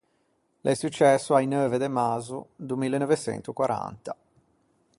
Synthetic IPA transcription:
lʔɛsut͡ʃːɛsːoajnøːved̪emazud̪umilːenɔvet͡ʃɛ̰nt̪ukwaɾa̰nt̪a

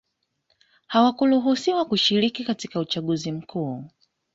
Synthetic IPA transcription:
hawakuluɦusiwakuʃiɾikikatikaut͡ʃaɠuzim̩kʰuː

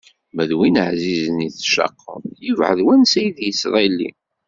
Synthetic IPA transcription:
mæðwinəʕzizəniθʃɑ̰qːə̰mjəvʕə̰ðwænsæjəðjəsɾˤɑlːḭ

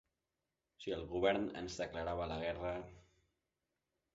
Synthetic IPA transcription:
siəlˠɣuβ̞ɛɾnə̰nzðəkləɾaβ̞ələɣɛrə

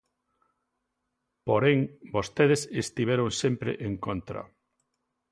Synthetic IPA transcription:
poɾeŋbost̪eðesest̪iβɛɾoŋsempɾḛʔeŋkont̪ɾɐ̰

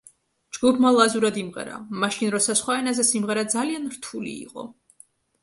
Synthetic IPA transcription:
d͡ʒɡupʰmalˠazuɾad̪imʁɛ̰ɾa̰maʃinɾɔsasχwaɛnazɛsimʁɛɾad̪zalianɾt̪ʰulḭːqʼɔ̰

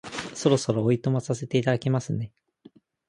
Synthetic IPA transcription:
so̞ɾo̞so̞ɾoːit̪o̞mosase̞t̪e̞it̪ad̪ake̞masɨne̞

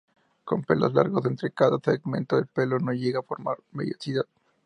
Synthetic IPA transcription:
ko̞mpe̞̰lo̞̰zla̰ɾɣosent̪ɾe̞kaðaseɣmẽ̞nt̪oðelpe̞lo̞no̞ʝe̞ɣaːfoɾma̰ɾmeðjosiðað

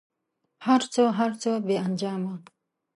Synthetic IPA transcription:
haɾt͡soɦaɾt͡sobeand͡ʒaːma

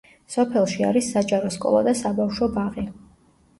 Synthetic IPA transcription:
sɔpʰɛlˠʃia̰ɾisːat͡ʃʼaɾɔskʼɔ̰lˠa̰d̪asabafʃɔbaʁi

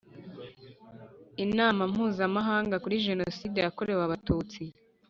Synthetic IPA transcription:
inaːmam̥huːzamaɦaːŋɡakuɾiʒe̞noside̞jako̞ɾe̞waβatuːt͡si

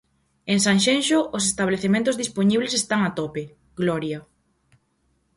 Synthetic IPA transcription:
eŋsaŋʃenʃoʔosest̪aβleθemẽnt̪ʊzðispoɲiβlesest̪aŋat̪ɔpe | ɡlɔɾja

